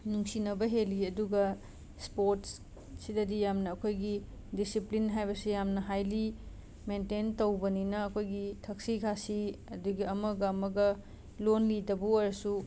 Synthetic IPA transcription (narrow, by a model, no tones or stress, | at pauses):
nuŋsinɐbɐɦeliɐduɡɐ | spoɾts | sidɐdijamnɐːkʰojɡi | disiplinɦajbɐsijamnɐɦajli | mententowbɐninɐːkʰojɡitʰɐk̚siɡʰasiɐduɡiɐmɐɡɐːmɐɡɐ | lonlidɐbuojɾɐsu